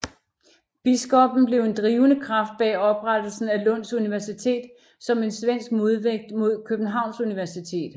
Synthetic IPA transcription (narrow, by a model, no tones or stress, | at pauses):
b̥isɡ̥ɒ̽b̥n̩b̥le̝ʊe̝nd̥ʁiːʊnəkʰʁɑ̈fd̥̚b̥ɛɒ̽b̥ʁad̥l̩sn̩ælɔ̽n̰suniʋæɐsit͡sʰe̝̰ːd̥ | sɒ̽me̝nsʋen̰sɡ̥̚mo̝ð̞ˠʋeɡ̥̚d̥mo̝ð̞̰ˠkʰøb̥n̩ɦɑ̈ʊ̰nsuniʋæɐsit͡sʰe̝̰ːd̥